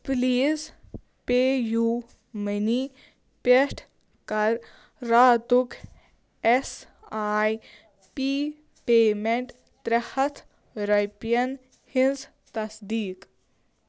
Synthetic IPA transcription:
pliːz | peːjuː | məniː | peʂʈʰ | kɐɾː | aːt̪ukʰ | es | aːj | piː | peːmeɳʈ | t̪ɾɐhɐt̪ʰ | ɾɐjpjɐn | hinz | t̪ɐsd̪iːk

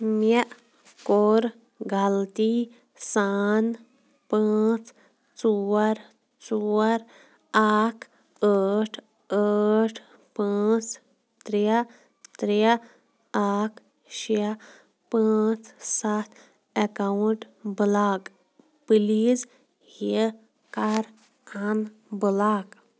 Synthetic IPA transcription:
meʔ | koɾ | ɡʱalt̪i | saːn | pãːt͡sʰ | t͡soːɾ | t͡soːɾ | aːkʰ | əːʈʰ | əːʈʰ | pãːt͡sʰ | t̪ɾia | t̪ɾia | aːkʰ | ʃia | pãːt͡sʰsat̪ʰ | ekawuɳʈ | bɨlaːk | pɨliz | he | kaɾʰ | anbɨlaːk

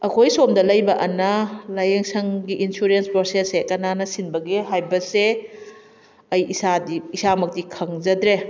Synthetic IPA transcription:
ɐkʰojsomdɐlɐjbɐʔɐnɐlajeŋsɐŋɡiʔinsuɾenspɾosesekɐnanɐsinbɐɡeɦajbɐse | ɐjʔisadiisamɐk̚tikʰɐŋzɐdɾe

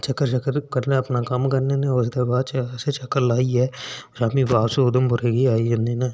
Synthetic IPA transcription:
t͡ʃəkːəɾt͡ʃəkəɾkəɾnẽɐpnakɐmkəɾneːnẽʊs̬d̪ebaːt͡ʃːset͡ʃəkəɾlaːiɦɛːʃaːmibaːseʊd̪əmpʊɾeːɡiaːiɦə̃nd̪iːneː

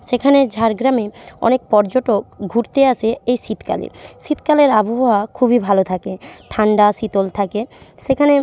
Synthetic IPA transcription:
ʃekʰaned͡ʑʱaɾɡɾameɔ̰nek̚pɔɾd͡ʑoʈok̚ɡʱuɾt̪eaʃʰeejʃit̪ka̰lḛʃit̪kaleɾaboɦoakʰubibʱalot̪ʰakeʈʰaɳɖaʃit̪olt̪ʰakeʃekʰane

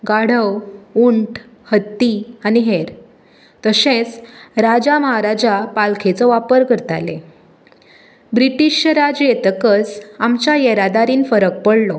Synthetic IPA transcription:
ɡaɽ̤əwuɳʈʰ | hət̪ːianiɦeɾ | t̪əsẽt͡sɾad͡ʑaməɦaɾad͡ʑapalkʰet͡sɔʋapəɾkəɾt̪a̰le | bɾiʈiɕjəɾad͡ʑjet̪əkət͡samt͡ɕjajeɾad̪aɾiːnfəɾək̚pəɽlɔ

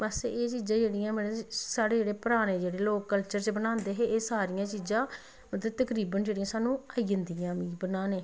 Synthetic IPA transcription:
bəseːt͡ʃiːzãːd͡ʒeːɽijãːmeːɽesaːɽeːd͡ʒeːɽeːpəɾaːɽ̃eːd͡ʒeːɽeːloːkːəlt͡ʃəɾt͡ʃbənãːnd̪eːɦeːeːsaːɾɪjãːt͡ʃiːzãː | mət̪ləd̪̚t̪əkɾiːbənd͡ʒeːɽĩjãːsaːnũːaːiənd̪iːãːmĩːbənãːneː

